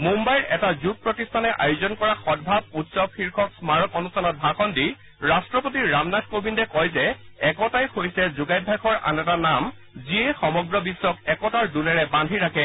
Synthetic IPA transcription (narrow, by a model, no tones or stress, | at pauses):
mumbajɹɛtazut̚pɹɔtistʰanɛʔajʊzɔnkɔɹaxɔd̚bʱab̚utsɔxʰiɹkʰɔksmaɹɔkɔnustʰanɔt̚bʱaxɔndi | ɹastɹɔpotiɹamnad̚kobindɔkɔjzɛ | ɛkɔtajxojsɛzuɡajd̚bʱakʰɔɹa̰nɛtanam | ziexɔmɔɡɹɔbisːɔkɛkɔtaɹdulɛɹɛbandʱiɹakʰɛ